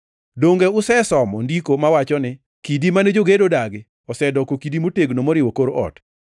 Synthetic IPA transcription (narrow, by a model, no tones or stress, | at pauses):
doŋɡeʊsɛsɔmɔndikomawat͡ʃɔnɪ | kidimanɛd͡ʒoɡedodaɡɪ | ɔsɛdɔkokidimoteɡnomoɾɪwɔkoɾoʔɔ̰t